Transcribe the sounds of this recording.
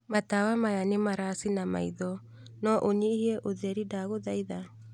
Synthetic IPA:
mat̪awamajanimaɾasinama̰jðɔ | nɔʔoɲihiɛʔoðɛɾidaːɣoðajða

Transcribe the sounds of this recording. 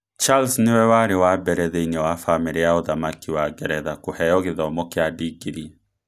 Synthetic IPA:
t͡ʃalsnewɛwaɾewabɛɾɛðɛiɲɛwafameɾiaoðamakiwaɡɛɾɛðakohɛɔɣeðaɔmɔkeadiɡiɾi

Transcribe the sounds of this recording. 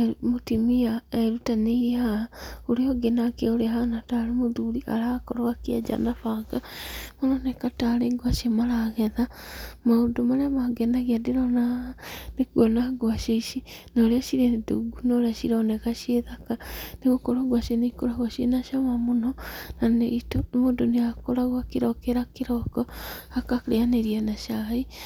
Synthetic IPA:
motimiaeɾutaneiaoɾeɔɡenakeoɾeaɦanataɾemoðuɾiʔa̰ɾakɔɾowakiad͡ʒa̰nafaɡamoɾonɛkataɾeɡwaʃemaɾaɣɛða | maodomaɾeamaɡenaɣiadeɾɔnaneɡonaɡwaʃeiʃinoɾeaʃiɾenduɡunoɾeaʃiɾɔnɛɣaʃeðakaneɣokoɾoɡwaʃenikoɾaɣwaʃḛnaʃamamonɔnanetmodoneakoɾaɣwakiɾɔkeɾakiɾɔkɔakakɾeaneɾianaʃai

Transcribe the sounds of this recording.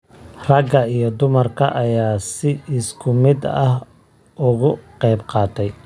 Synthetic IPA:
rɐɡɐijɞd̪ʊmɐrkʰɐ̰ʔɐjaːsɪɪskʰʊmɪd̪ɐh | ʔʊɣʊqɛjbqɑːt̪ʰɛj

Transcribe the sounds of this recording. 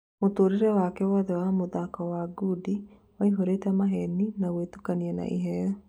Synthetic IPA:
motoːɾeɾɛwakɛwɔðɛwamoðakɔwaɡudi | waiɦoɾetɛmaɦɛninawetukaniɛna̰ʔḭɦɛjɔ

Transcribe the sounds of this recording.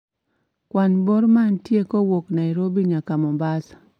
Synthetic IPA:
kwanboɾmantjekɔwoknaiɾobiɲakamɔmbas

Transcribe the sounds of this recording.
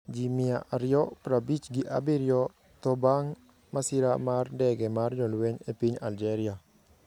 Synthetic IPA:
d͡ʒimɪaʔaɾɪjɔpɾabit͡ʃɡɪʔa̰biɾjɔ | t̪ɔbaŋ | masɪɾamardɛɡɛmard͡ʒɔlweɲepiɲald͡ʒɛɾia

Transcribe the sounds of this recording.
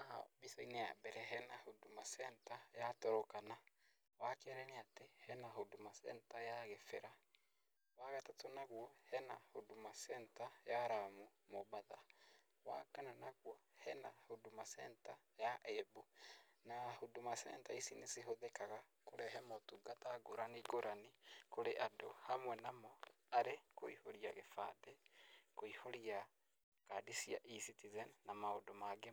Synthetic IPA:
aha̰bisɔinea̰bɛɾɛɦɛnahodomasɛntajatɔɾɔkana | wakɛɾɛnɛatehɛnaɦodomasɛ̰ntajaɣefɛɾa | waɣatatonaɣwɔhɛnahodomasɛntajaɾamumɔbaða | wa̰kananaɣwɔhɛna̰hodomasɛntajaʔɛbonahodomasɛ̰ntaisineseɦoðɛkaɣakoɾɛɦɛmotuɡataɡoɾaniɡoɾʔanikoɾeʔadohamwɛnamɔ | aɾekoihoɾiaɣefa̰dɛkoihoɾia | kadisiaʔisitizɛnnamaodomaɡe

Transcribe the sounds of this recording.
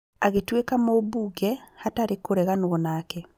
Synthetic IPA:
aɣetwekamobuɡɛhataɾekoɾɛɣanoɔnaːkɛ

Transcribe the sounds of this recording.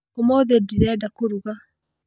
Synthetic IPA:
omoðediɾɛdakoɾuɣa

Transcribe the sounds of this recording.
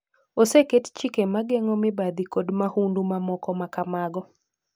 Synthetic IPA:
osekett͡ʃikemaɡeŋɔmɪbad̪ikodmahundumamɔkɔmakamaɡɔ

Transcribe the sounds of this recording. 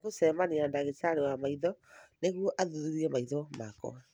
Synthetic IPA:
ɣosɛmaneandaɣetaɾewamaiðɔneɣwɔʔaðuðuɾiɛmaiðɔmakɔ̰a

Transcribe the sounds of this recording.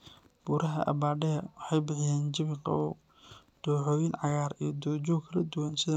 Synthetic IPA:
b̥uːɾɐɦɐ̰ʔɐ̰baːɖɛɐwɑħɑjbɪħɪjaːnd͡ʒɪβɪqɐ̰ɔː | d̪̥uːħɔːjɪnʕɑɣaːɾijɔd̪ɔːd͡ʒɔːkʰɐlɐd̪ʊwansɪðɐ

